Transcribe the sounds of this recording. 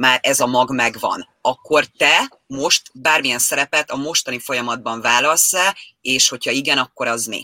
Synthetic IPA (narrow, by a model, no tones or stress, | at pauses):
maːɾɛzɒmɒɡmɛɡvɒ̰n | ɒkːo̞rt̪ɛ | mo̞ʃt̪baːrmijɛnsɛɾɛpɛt̪ɒmo̞ʃt̪ɒnifo̞jɒmɒd̪̚bɒɱvaːlɒlsɛleːʃho̞cʰhɒiɡɛnɒkːo̞ɾɒzmḭ